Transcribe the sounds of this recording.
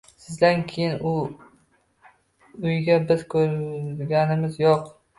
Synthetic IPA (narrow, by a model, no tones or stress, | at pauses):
sɪzd̪ankʲʰejɪnʊ | ʊjɡʲabɪzkʰɵɾɡʲanɪmɪzjɒq